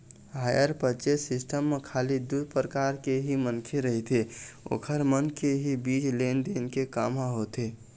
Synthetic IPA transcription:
ɦajəɾpət͡ʃesisʈəmːekʰalid̪ud̪̚ʱpɾəkaɾkeɦimənkʰeɾəɦit̪ʰeo̰kʰəɾmənkeɦibit͡ʃlend̪enkekamɦaɦot̪e

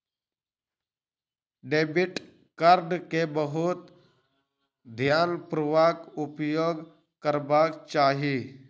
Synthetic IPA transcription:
ɖeːbɪʈ | kəɾɖkebəɦʊt̪ | d̪ʱjaːnpɾʊʋaːkʊpjoːɡ | kəɾbaːkt͡ʃaːɦiː

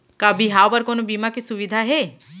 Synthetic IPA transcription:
kabʱiɦawpəɾkonobimakesuʋid̪ʱaɦeː

